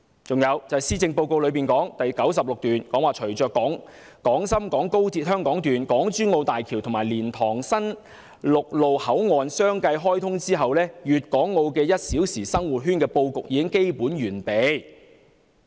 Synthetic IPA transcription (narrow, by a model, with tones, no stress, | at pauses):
t͡sʊ˨ŋjɐ˨˧wt͡sɐ˨˩hɐ˨˩siː˥t͡sɪ˧ŋpo˧wko˧wlɵ˨˧ɥpiː˨˩nkɔː˨˥ŋt̪ɐ˨jkɐ˨˥wsɐ˨p̚lʊ˨k̚t̪yː˨nkɔː˨˥ŋwaː˨t͡ʃʰɵ˨˩ɥt͡sœː˨kɔː˨˥ŋ | kɔː˨˥ŋsɐ˥mkɔː˨˥ŋko˥wt͡siː˧t̚ɦœː˥ŋkɔː˨˥ŋt̪yː˨nkɔː˨˥ŋt͡ʃyː˥nŋo˧wt̪aː˨jkʰi˨˩wt̪ʰʊ˨˩ŋmaː˨˩jliː˨˩nt̪ʰɔː˨˩ŋsɐ˥n | lʊ˨k̚lo˨whɐ˨˥wŋɔː˨nsœː˥ŋkɐ˧jɦɔː˥jt̪ʰʊ˥ŋt͡siː˥ɦɐ˨wlɛː˥jyː˨t̚kɔː˨˥ŋːo˧wkɛː˧jɐ˥t̚siː˨˥wsiː˨˩sɐ˥ŋwu˨t̚ɦyː˥nkɛː˧po˧wkʊ˨k̚jiː˨˧kɪ˥ŋke˥jpuː˨˥nɥyː˨˩npe˨˧j